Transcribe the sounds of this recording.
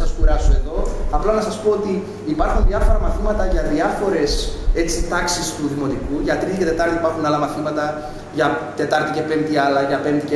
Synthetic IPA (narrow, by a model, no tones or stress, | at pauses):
ɐskuɾɐsoe̞ðo̞ɐplɐnɐsɐspo̞ot̪iː | pɐɾxunðiɐfo̞ɾɐmɐθimɐt̪ɐʝɐðiɐfo̞ɾe̞se̞t͡sit̪ɐksist̪uðimo̞t̪ikuʝɐt̪ɾit̪ice̞t̪e̞t̪ɐɾt̪ipɐɾxunɐlɐmɐθimɐt̪ɐ | ʝɐt̪e̞t̪ɐɾt̪ice̞pe̞mt̪iɐlɐʝɐpe̞mt̪ice